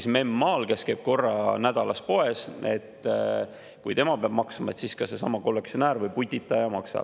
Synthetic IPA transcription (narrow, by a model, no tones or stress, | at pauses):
sme̞mːɑːlkeskeːb̥̚ko̞rːɑnæd̪̥ɑlɑs̚po̞e̞se̞̰t̪ː | kujt̪e̞mɑpeɑb̥mɑksɑmɑe̞t̪siːskɑsesɑ̰mɑko̞lːek̚t̪sio̞næːɾvɤjput̪ʲːit̪ːˑɑjɑmɑksɑ̰̥